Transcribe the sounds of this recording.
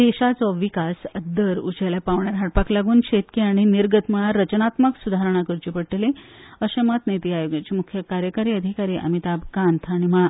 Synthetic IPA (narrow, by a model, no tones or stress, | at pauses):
d̪eɕat͡sɔʋikasəd̪ːəɾut͡ɕaljapaʋɳjaɾɦaʈpaklaɡuːnɕet̪kiaɽ̃iniɾɡət̪maɭaɾət͡ɕənat̪məksud̪ʱaɾəɳ̃akəɾt͡ɕipəɽʈeleəɕẽmət̪net̪iːajoɡjat͡ɕimukʰjəkaɾjəkaɾiːəd̪ʱikaɾiːʔa̰mit̪abkant̪ʰaɽ̃iməɭa